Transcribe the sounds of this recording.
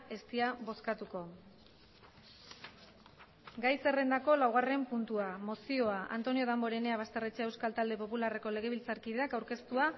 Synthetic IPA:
e̞st̪iaβo̞skat̪uko̞ | ɡajse̞re̞nd̪ako̞lawɣ̞are̞mpunt̪uamo̞sio̞aʔa̰nt̪o̞nio̞ð̞ambo̞ɾe̞ne̞aβ̞ast̪e̞ret͡seewskalt̪ald̪e̞po̞pulare̞ko̞le̞ɣ̞e̞β̞ilt͡saɾkið̞e̞akawɾke̞st̪ua

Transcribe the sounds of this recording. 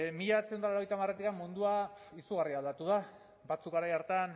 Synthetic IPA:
miʎaβat͡send̪aloɾoejt̪amaret̪ikamːund̪uaisuɣ̞ariald̪at̪uð̞a | bat͡sukɣaɾajaɾt̪an

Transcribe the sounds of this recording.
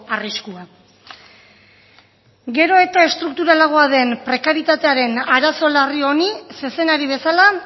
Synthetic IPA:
ariskua | ɡe̞ɾo̞e̞t̪ae̞st̪ɾuk̚t̪uɾalaɣ̞o̞aðe̞mpɾe̞kaɾit̪at̪e̞aɾe̞naɾaso̞lario̞nise̞se̞naɾiβ̞e̞sala

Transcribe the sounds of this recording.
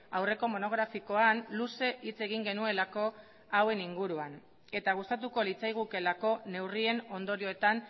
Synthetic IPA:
awre̞ko̞mo̞no̞ɣ̞ɾafiko̞anluse̞ʔit͡se̞ɣ̞iŋɡe̞nue̞lako̞ | awe̞niŋɡuɾuan | e̞t̪aɣ̞ust̪at̪̬uko̞lit͡sajɣ̞uke̞lako̞ne̞wrie̞no̞nd̪o̞ɾio̞e̞t̪an

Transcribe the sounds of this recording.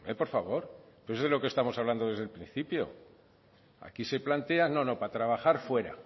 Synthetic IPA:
epo̞ɾfaβo̞ɾposezðelo̞kest̪amo̞saβland̪o̞ðe̞zðe̞lpɾin̟θipjo̞̰ | a̰kise̞plant̪e̞ano̞no̞pat̪ɾaβaxaɾfwe̞ɾa̰

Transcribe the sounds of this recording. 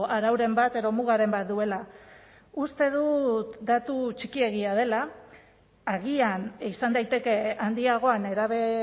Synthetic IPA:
aɾawɾe̞mbat̪e̞ðo̞muɣaɾe̞mbat̪̚d̪ue̞la | ust̪e̞ð̞ut̪d̪at̪ut͡ʃikie̞ɣiað̞e̞laː | ɣianisand̪ajt̪e̞ke̞and̪iaɣ̞o̞ane̞ɾaβe̞

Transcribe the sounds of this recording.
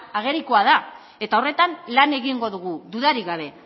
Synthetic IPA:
aɣ̞e̞ɾikoaða | e̞t̪ao̞re̞t̪anlane̞ɣiŋɡo̞ðuɣuðuðaɾiɣaβ̞e̞

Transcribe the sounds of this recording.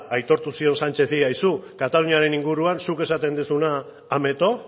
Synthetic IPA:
ajt̪o̞ɾt̪usio̞nsant͡ʃe̞θiajsukat̪aluniaɾe̞niŋɡuɾuansuke̞sat̪e̞nd̪usunaː | me̞t̪o̞

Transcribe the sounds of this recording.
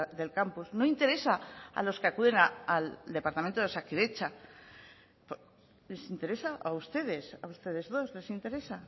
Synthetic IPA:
ðe̞lkampuznoint̪e̞ɾe̞saa̰lo̞skeakuðe̞naald̪e̞paɾt̪amẽnt̪oesakiɾe̞t͡ʃa | po | le̞sint̪eɾe̞saʔaust̪e̞ðe̞saust̪e̞ðe̞zðo̞zle̞sint̪e̞ɾe̞sa

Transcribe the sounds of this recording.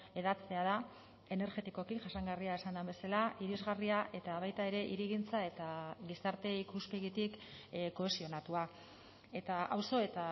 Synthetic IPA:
e̞ðat͡se̞að̞a | e̞ne̞ɾʝe̞t̪iko̞kiʝaʃaŋɡariaesand̪ambe̞salaʔiɾizɣariaʔe̞t̪aβajt̪ae̞ɾe̞ʔiɾiɣ̞int͡sae̞t̪aɣisaɾt̪e̞ikuspe̞ɣit̪ikko̞e̞sio̞nat̪ua | e̞t̪aawso̞e̞t̪a

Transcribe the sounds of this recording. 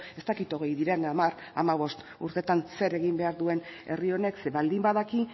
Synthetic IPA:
e̞st̪akit̪o̞ɣ̞e̞jðiɾenamar | a̰maβ̞o̞st̪ | uɾt̪e̞t̪anse̞ɾeɣ̞imbe̞aɾðue̞ne̞rio̞ne̞kseβald̪imbaðaki

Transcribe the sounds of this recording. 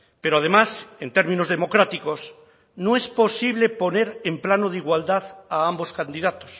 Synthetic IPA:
peɾoað̞e̞mase̞nt̪e̞ɾmĩnozðe̞mo̞kɾat̪iko̞s | noe̞spo̞siβ̞le̞po̞ne̞ɾemplanoð̞iɣwald̪aðaambo̞skand̪iðat̪os

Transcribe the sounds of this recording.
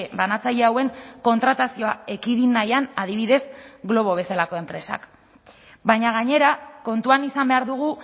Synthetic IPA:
ebanat͡saʎe̞awe̞ŋko̞nt̪ɾat̪asio̞aekiðinajanaðiβ̞iðe̞sɣlo̞β̞o̞βe̞salako̞e̞mpɾe̞sa̰k | bajɲaɣ̞aɲe̞ɾako̞nt̪uanisambe̞aɾðuɣu

